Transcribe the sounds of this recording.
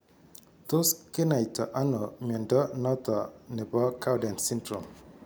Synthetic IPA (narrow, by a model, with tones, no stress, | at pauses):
t̪o˦ske˦na˨jtɔ˨ʔa˦nɔ˨mɔ˨ndɔ˦nɔ˦t̪ɔ˨ne˨bɔ˦kʰa˦wda˨nsi˦ntɾɔ˨m